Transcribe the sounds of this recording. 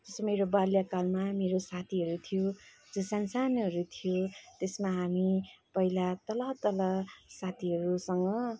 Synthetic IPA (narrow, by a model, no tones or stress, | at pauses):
d͡zʌsameɾobaljakalmameɾosat̪ʰiɦʌɾut̪ʰijo | d͡zosansanɦʌɾut̪ʰijot̪esmaɦamipʌɦilat̪ʌlʌt̪ʌlʌsat̪ʰiɦʌɾusʌŋɡʌ